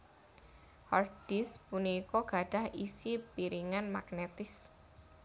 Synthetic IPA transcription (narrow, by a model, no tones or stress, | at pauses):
hɔrɖ̥ispunikɔɡ̥a̤ɖ̥a̤hisipiɾiŋanmaɡnet̪ɪs